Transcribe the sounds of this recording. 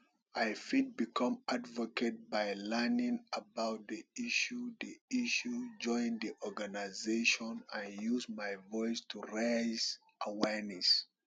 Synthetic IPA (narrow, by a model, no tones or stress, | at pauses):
ʔajfid̚bikʰɔ̃madvɔket̚bajlɛnĩŋabawt̚d̪iiʃudiiʃud͡ʒɔ̃j̃ndiʔɔɡanajzeʃɔ̃nãnjuzmajvɔjstʰuɹez | ʔawɛɹnɛs